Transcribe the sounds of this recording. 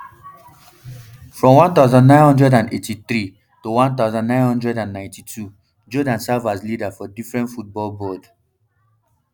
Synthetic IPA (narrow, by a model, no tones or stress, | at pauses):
fɹɔ̃mwãnt̪aʊzɔ̃nːãɪ̃nhɔ̃ndɹɛdãnetiθɹi | towãnt̪aʊzɔ̃nːãɪ̃nhɔ̃ndɹɛdãnːãɪ̃ntitʰu | d͡ʒɔdãnsavaslidafɔdifɹɛ̃ntfut̚bɔlbɔd